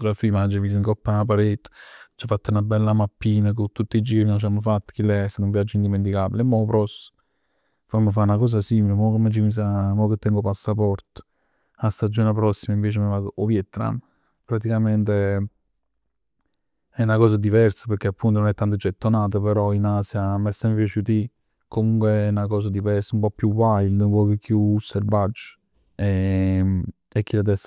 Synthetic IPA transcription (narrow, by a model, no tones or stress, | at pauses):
t̪uɾafimad͡ʒːvis̬iŋkɔpːap̬aɾet̪ːt͡ʃːafːat̪ːaunabɛlːamapːiːnak̬ot̪ut̪ːid͡ʒiːɾnont͡ʃamːfat̪ːə̥k̟ileɛsenũmvjad͡ʒːind̪iment̪̬ikabilemːɔpɾɔs | famːəfaunakɔːs̬asimilemɔkemːed͡ʒimis̬amɔket̪ːɛŋɡopasːapɔrt̪ | ast̪ad͡ʒːoːnepɾɔsːimaiɱveːt͡ʃemevaɡoʔovjɛt̪ːna̰m | pɾat̪ikament̪e | ɛunakɔːzad̪ivɛrsḁpeɾk̟eapːunt̪ononɛt̪ːant̪̬əd͡ʒet̪ːonaːt̪̬əpeɾɔinasjamɛsːɛmpjat͡ʃut̪i | komuŋkweɛnakɔːs̬ad̪ivɛrsəumpɔpːjuvajld̪əmpɔkekːjusːerbad͡ʒːə̥ | e | ekːilat̪̬ɛs